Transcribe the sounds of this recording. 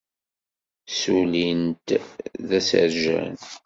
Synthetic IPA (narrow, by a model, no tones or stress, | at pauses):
sulint̪ðæsə̰ɾʒæ̰n